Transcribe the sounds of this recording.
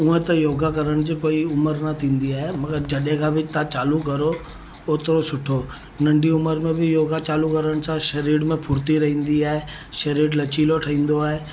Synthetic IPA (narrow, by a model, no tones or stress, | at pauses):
ũẽt̪ɐjoːɡʱakɐɾəɽ̃d͡ʑiːkoːiʊməɾnɐt̪ʰĩːnd̪iaːɦemɐɡəɾd͡ʑɐɗẽkʰãbʱɪt̪ãt͡ɕaːlukɐɾo | oːt̪ɾosʊʈʰo | nɐ̃ɳɖʱiʊməɾmẽbʱɪjoːɡʱat͡ɕaːlukɐɾəɽ̃sãʃɐɾiːɽmẽpʰʊːɾt̪iɾɐɦĩːnd̪iaːɦe | ʃɐɾiːɽlɐt͡ɕiːloʈʰɐɦĩːn̆d̪oaːɦeː